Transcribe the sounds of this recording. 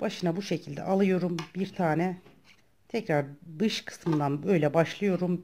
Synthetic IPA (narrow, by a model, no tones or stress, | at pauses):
b̥aʃɯnabuʃecʰilʲd̪ɛ̰ʔalˠɯjo̞ɾumbiɾt̪ʰaːnɛ | t̪ʰɛcɾaɾd̪ɯʃkʰɯ̥smɯnd̪anbø̞jlʲɛbaʃlˠɯjo̞ɾum